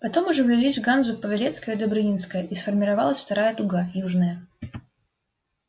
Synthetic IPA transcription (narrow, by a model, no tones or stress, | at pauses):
pɐt̪o̞mʊʐɛvlʲɪlʲisʲɡanzʊpəvʲɪlʲet̪skəjəd̪əbɾɨnʲinskəjəʔisfərmʲɪɾɐvalˠəsʲft̪ɐɾajət̪ʊɡajuʐnəjə